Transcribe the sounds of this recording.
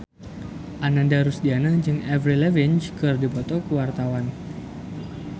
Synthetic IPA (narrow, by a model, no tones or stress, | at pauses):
ʔanandaɾusdianad͡ʒɨŋɛvɾilɛvint͡ʃkɨrdipɔt̪ɔkəwart̪awan